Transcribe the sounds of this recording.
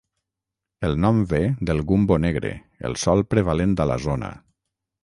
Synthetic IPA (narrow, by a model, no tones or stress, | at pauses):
əlˠnɔmbeðəlˠɣumboneɣɾḛ | ə̰lˠsɔlˠpɾeβalend̪ala̰zonə̰